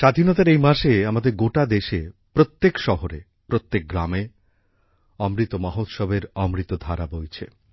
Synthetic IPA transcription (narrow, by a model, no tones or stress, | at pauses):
ʃad̪ʱinɔt̪aɾejmaʃeamad̪eɾɡoʈad̪eʃepɾot̪ːekʃɔɦoɾe | pɾot̪ːek̚ɡɾame | ɔmɾit̪omɔɦot̪ʃɔbeɾɔmɾit̪od̪ʱaɾabojt͡ɕʰḛ